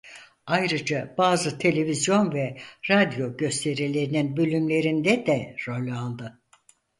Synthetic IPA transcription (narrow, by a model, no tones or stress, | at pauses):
ajɾɯd͡ʒabaːzɯt̪ʰe̞lʲe̞vizjo̞nvɛɾad̪jo̞ɟø̞st̪ʰe̞ɾilʲe̞ɾininbølʲymlʲe̞ɾind̪ɛd̪ɛɾo̞lʲalˠd̪ɯ